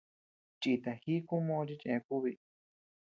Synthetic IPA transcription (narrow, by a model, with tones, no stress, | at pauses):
t͡ʃi˧t̪a˨hi˦ku˦mõ˧t͡ʃi˦˧t͡ʃẽ˧ku˦βi˧